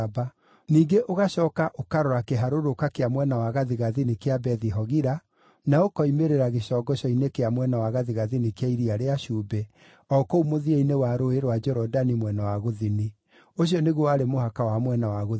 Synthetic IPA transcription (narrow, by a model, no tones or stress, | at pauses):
ba | niːŋɡeʔoɣaʃɔːkaʔokaɾɔɾakeɦaɾoɾokakeamwɛnawaɣaðiɣaðinikeabɛðiɦɔɣiɾa | naokɔimeɾeɾaɣeʃɔːɡɔɕɔinekeamwɛnawaɣaðiɣaðinikeaiɾiaɾeaʃuːbɛ | ɔkoumoðieinewaɾoeɾwad͡ʒɔɾɔdanimwɛnawaɣoðini | oɕ̬iɔneɣwɔaɾemohakawamwɛnawaɣo